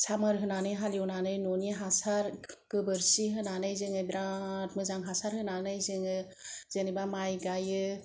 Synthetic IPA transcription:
samɯɾɦɯnanɯjɦaliwnanɯjnɔniɦasaɾɡ̥ɯbɯɾsiɦɯnanɯjzɯŋɯbɾat̚mɯzaŋɦasaɾhɯnanɯjzɯŋɯ | z̥enibamajɡajɯ

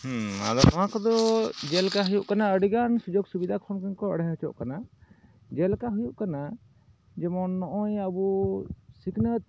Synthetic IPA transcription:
hua̰d̪ɔt̪ɔmãkɔd̪ɔd͡ʒɛlkaɦujuʔkanaəɽiɡansud͡ʒɔɡsubid̪ʱakʰɔɾmkɛnkɔə̰ɽɛɦət͡ʃɔ̰ʔkana | d͡ʒɛlkaɦujuʔkana | d͡ʒɛmɔnːɔʔɔjəbusiknət̪̚

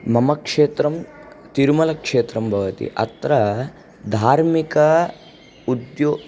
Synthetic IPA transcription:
mɐmɐkʂeːt̪ɾɐm | t̪iɾmɐlɐkʂeːt̪ɾɐmbʱɐʋɐt̪ḭʔɐ̰t̪ɾɐ | d̪ʱaːɾmikɐ | ud̪joː

